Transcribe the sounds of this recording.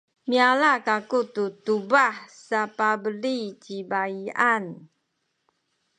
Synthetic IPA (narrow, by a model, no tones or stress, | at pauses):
mialakakut̪ut̪ubahsapabəlid͡ʒibaian